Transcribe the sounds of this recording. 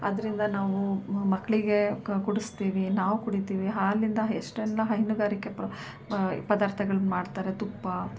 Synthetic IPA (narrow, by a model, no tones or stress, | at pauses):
ɐd̪ɐɾind̪ɐnaːʋumɐkːɐɭiɡe̞kuɽust̪iːʋinaːʋukuɽit̪iːʋiɦaːlːind̪ɐeʂʈɛlːɐɦɐjnuɡaːɾikːe̞p | pɐd̪aːɾt̪ʰɐɡɐɭɐnmaːɖt̪aːɾet̪upːɐ